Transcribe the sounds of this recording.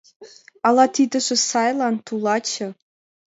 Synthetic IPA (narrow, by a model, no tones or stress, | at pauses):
ɑlˠɑt̪ʰid̪ɘ̆ʒɘ̆sɑjlˠɑnt̪ulˠɑt͡ɕʰɘ̆